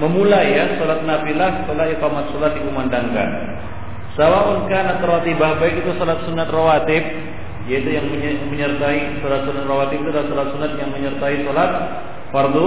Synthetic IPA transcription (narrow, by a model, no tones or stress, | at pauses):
məmulajansolat̪̚nafilasət̪əlahikamat̪̚solat̪̚dikəmandaŋka̰n | sawaʔunkanat̪rat̪ibabaik̪it̪usolat̪̚sunːat̪rawat̪ɪf̚ | jait̪ujaŋməməɲərt̪aisolat̪̚sunat̪rawat̪ɪpit̪uadalasɔlat̪̚sunat̪̚jaŋməɲərt̪aisolat̪̚ | fard̪u